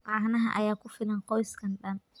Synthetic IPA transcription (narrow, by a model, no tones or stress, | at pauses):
ʔaːhnɐɦɐʔɐ̰jaːkʰʊfɪlɐnqɔjskʰɐnɗɐn